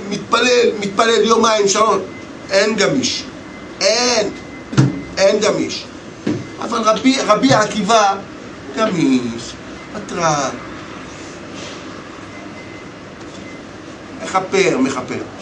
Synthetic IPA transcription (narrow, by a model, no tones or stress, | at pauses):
mit̪̚palelmit̪̚paleljomaimʃaon | enɡamiʃ | en | enɡamiʃu̥ | ʔa̰valʁabiʁabiaakiva | ɡamiʃ | mat̪ʁan | meχapeʁmeχape̞̰ʁ